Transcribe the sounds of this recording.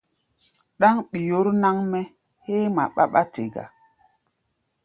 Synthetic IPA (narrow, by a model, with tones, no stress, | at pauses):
ɗa˦ŋɓi˨jo˦ɾna˦ŋmɛ˦ | he˦ma̰˨ɓa̰˦ɓa˦tḛ˨ɡa̰˨